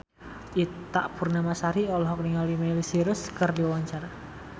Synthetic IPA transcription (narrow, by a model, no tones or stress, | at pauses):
it̪a̰ʔb̥ṳrnamasaɾiɔlɔɦɔkniŋalimelisiɾʊskərdiwawaɲt͡ʃaɾa